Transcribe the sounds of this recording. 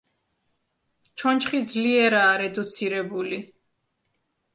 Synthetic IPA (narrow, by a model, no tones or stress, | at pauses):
t͡ʃʰɔnt͡ʃχid̪zliɛɾaːɾɛd̪ut̪sʰiɾɛbuli